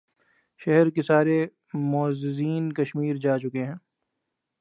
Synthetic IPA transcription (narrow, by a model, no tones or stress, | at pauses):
ʃɛɦɛɾkesaːɾe | mɔːzɪziːnkɐʃmiːɾd͡ʒaːt͡ʃʊkeɦɛ̃ː